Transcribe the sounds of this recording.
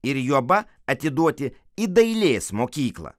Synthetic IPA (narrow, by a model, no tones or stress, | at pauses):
ɪɾjuɔbɐ | ɐt̪ʲɪd̪uɔt̪ʲɪ | id̪ɐɪlʲeːsmoːkʲiːklˠɐ̰